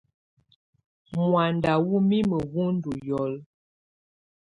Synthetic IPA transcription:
mwa˨nda˨wu˦mi˦mə˨ɣu˦n̩˦du˨jɔ˨˦l

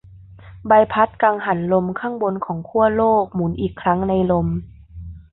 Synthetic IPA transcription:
ba˧jpʰa˦˥t̪̚kaː˧ŋɦa˩˦nlo˧mkʰa˧˥˩ŋbo˧nkʰɔː˩˦ŋkʰu˥˩ɐloː˥˩k̚mu˩˦nʔiː˨˩kʰːɾa˦˥ŋna˧jlo˧m

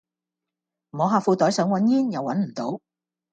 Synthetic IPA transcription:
mɔː˨˧ɦaː˧fuː˧t̪ɔː˨˥jsœː˨˥ŋwɐ˨˥njiː˥njɐ˨˧wːɐ˨˥nm̩˨˩t̪o˨˥w

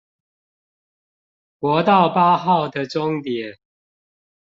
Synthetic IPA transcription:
kwɔ˨˦t̪ɑ˥˨ʊpa˦xɑ˥˨ʊd̪ə˨ʈ͡ʂʊ˦ŋt̪jɛ˨˦

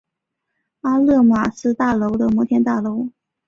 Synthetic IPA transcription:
a˥lɤ˥˩mwa˨˩sɹ̩˥˧t̪a˥˩lo˧˥ʊd̪ə˧mwɔ˧˥t̪jɛ˥nt̪a˥˩lo˧˥ʊ

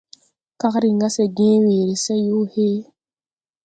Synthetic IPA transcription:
ka˦kɾi˨ŋɡa˦sɛ˨ɡẽ˦weː˨ɾi˨sɛ˦ju˦he˦

